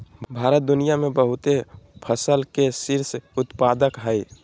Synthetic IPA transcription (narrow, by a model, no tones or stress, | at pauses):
bʱaɾət̪̚d̪unijamebəɦut̪epʰəsəlkesiɾsut̪pad̪əkɦəj